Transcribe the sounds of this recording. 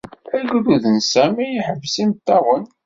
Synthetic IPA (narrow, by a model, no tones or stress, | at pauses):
æɡuðuðənsæmijiħəvsimt̪ːɑwən